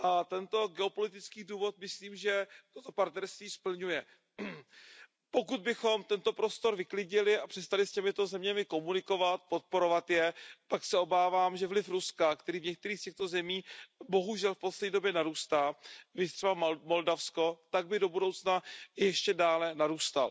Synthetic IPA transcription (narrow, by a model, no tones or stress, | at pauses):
ʔat̪ɛnt̪o̞ɡɛopo̞lɪt̪ɪt͡skiːduːvo̞t̪̚mɪsliːmʒɛt̪ot̪o̞paɾt̪nɛɾst̪viːspl̩ɲujɛ | po̞kud̪̚bɪxo̞mt̪ɛnt̪o̞pɾo̞st̪o̞ɾvɪklɪɟɪlɪʔapr̝̥ɛst̪alɪscɛmɪt̪o̞zɛmɲɛmɪko̞munɪko̞vat̪̚po̞t̪̚po̞ɾo̞vat̪jɛpaksɛo̞baːvaːmʒɛvlɪfɾuskakt̪ɛɾiːvɲɛk̚t̪ɛɾiːxscɛxt̪o̞zɛmiːbo̞ɦuʒɛlfposlɛdɲːdo̞bjɛnaɾuːst̪aːvɪt̪r̥ɛbamo̞ldafsko̞t̪aɡ̚bɪdo̞budo̞wt͡snajɛʃcɛdaːlɛnaɾuːst̪a̰l